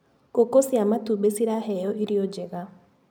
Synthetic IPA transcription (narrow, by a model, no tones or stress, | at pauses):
kokosiamatubesiɾahɛjɔʔiɾiod͡ʒɛɣa